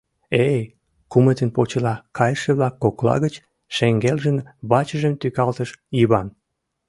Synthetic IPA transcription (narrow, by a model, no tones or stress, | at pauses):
e | kumət̪ənpot͡ɕəlɑkʰɑjʃĕβlɑkːoklɑ̰ɣət͡ɕ | ʃeŋɡelʒənβɑt͡ɕə̆ʒəmt̪ykɑlt̪əʃjiβɑn